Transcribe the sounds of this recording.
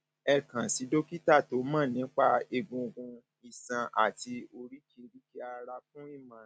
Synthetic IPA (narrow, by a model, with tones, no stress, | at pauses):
ɛ˨kã˨si˨˦do˦ki˦ta˦˨to˨˦mãː˦˨nĩ˨˦k͡pa˦˨e˧ɡũ˧ɡũ˧ | i˨sã˧ʔa̰˦˨ti˧o˧ɾi˦ki˧ɾi˦ki˧a˧ɾa˧fũ˦i˦˨mã˨